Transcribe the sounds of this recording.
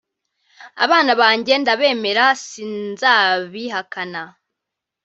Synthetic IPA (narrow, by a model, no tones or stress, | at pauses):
a̰βaːnaβaːɲɟe̞ndaβe̞ːme̞ɾasinzaːβiɦakana